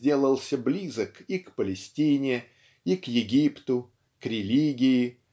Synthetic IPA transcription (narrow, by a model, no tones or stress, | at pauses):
dʲe̞lˠəlˠsʲəblʲizəkikpəlʲɪsʲtʲinʲɪ | ikjɪɡʲipt̪ʊ | kɾʲɪlʲiɡʲɪɪ